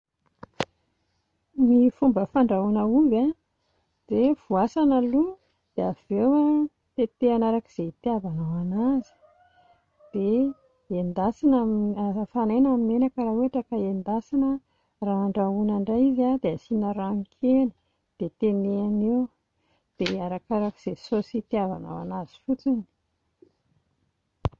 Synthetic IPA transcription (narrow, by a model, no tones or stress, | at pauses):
mifumbəfaɳɖ͡ʐaunəuba | d̪̥ev̥uasanəlu | d̪̥eav̥ewa | t̪et̪eanaɾakiz̥et̪eabanawanazi̥ | d̪̥e | end̪asinamafanajnamimenakəɾaweaʈ͡ʂəkəend̪asanə | raːɳɖ͡ʐaunaɳɖ͡ʐajizad̪easinəɾaŋkʰeli̥ | d̪̥et̪eneanew | d̪̥eaɾakaɾakiz̥esosit̪iava̰na̰wa̰nazi̥fut͡sini̥